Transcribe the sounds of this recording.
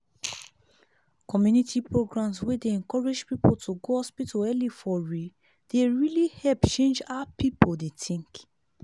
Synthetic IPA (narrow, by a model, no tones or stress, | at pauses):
kʰɔmjunitʰipɹoɡɹãmswedeɛ̃nkɔɹed͡ʒpipotʰuɡohɔspitoɛlifɔɹi | d̥eɹilihɛlpt͡ʃẽnd͡ʒapipodetʰĩŋk